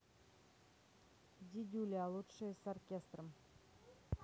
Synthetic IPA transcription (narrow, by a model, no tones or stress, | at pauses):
d̪ʲid̪ʲulʲialˠut̪ʃəsorkʲest̪rəm